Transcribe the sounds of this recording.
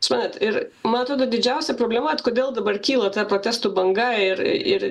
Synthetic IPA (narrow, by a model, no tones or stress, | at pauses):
ʊsmɑːnʲet̪ɪɾ | mɐnɐt̪ɾoːd̪od̪ʲɪd͡ʒʲɛʊsʲɛpɾoːbʲlʲɛmɐɐt̪koːd̪ʲeːlˠd̪ɐbɐrkʲiːlˠɐt̪ɑpɾoːt̪ʲæːst̪ubɐŋɡɐɪr̰ɪɾ